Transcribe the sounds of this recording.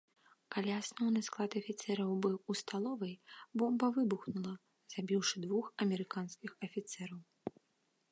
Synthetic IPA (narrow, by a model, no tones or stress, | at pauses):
kalʲiasnɔwnɨsklˠat̪ɐfʲit̪sɛɾɐwbɨwust̪alˠɔvɨjbɔmbɐvɨbuxnulˠɐ | z̥abʲiwʂɨd̪vuxɐmʲɛɾɨkanskʲixɐfʲit̪sɛɾɐw